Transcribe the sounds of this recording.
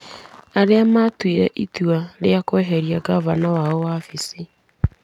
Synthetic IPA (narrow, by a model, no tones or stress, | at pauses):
aɾeamatwiɾɛʔituaɾeakwɛɦɛɾiaɡavanawaɔwafisi